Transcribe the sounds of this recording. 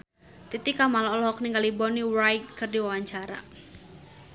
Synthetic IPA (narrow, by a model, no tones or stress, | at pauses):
t̪it̪ikamalɔɔlɦɔk̚niŋɡalibɔniwɾajt̪̚kɨrdiwawaɲt͡ʃaɾa̰